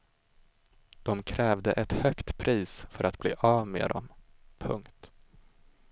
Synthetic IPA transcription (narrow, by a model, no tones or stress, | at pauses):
d̪̥ɔmkʰɾɛːvd̪əʔɛt̪hœkt̪pʰɾʔiːsfœɾʔat̪bliːʔavmḛːd̪ɔ̰mpʰɵ̰ŋkt̪